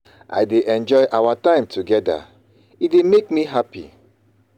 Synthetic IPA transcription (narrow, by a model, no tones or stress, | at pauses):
a̰jdeʔɛ̃nd͡ʒɔɪʔawatãɪ̃mtʰuɡɛda̰ | itdemek̚miɦapḭ